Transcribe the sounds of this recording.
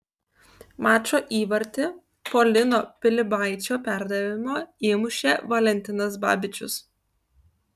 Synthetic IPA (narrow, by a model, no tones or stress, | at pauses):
mɑːt͡ʃoːʔiːʋɐɾʲt̪ʲɪ | polʲɪnoːpʲɪlʲɪbɑˑɪt͡ʃʲoːpʲæˑɾd̪ɐʋʲɪmoːeːmʊʃʲeːʋɐlʲɛnʲt̪ʲɪnɐs̬bɑ̰ːbʲɪt͡ʃʲʊ̰s